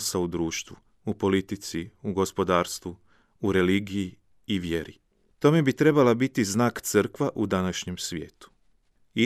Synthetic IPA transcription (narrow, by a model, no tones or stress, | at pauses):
saud̪ɾuːʃt̪ʋu | upo̞lit̪it̪siuɡo̞spo̞d̪aːɾst̪ʋu | uɾe̞liːɡijiː | ʋje̞ɾi | t̪o̞me̞bit̪ɾe̞balabit̪iznaːkt̪sɨrkʋaʔud̪anaʃɲe̞msʋʲje̞̰ːt̪u̥ | i